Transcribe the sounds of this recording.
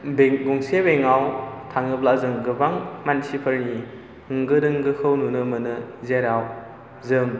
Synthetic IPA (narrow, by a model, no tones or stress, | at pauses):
beɡuŋsebeŋawtʰaŋɯplazɯŋɡɯbaŋmansipʰəɾni | hɯŋɡɯdɯŋɡɯkʰɯwnunɯmɯnɯzeɾaw | zɯŋ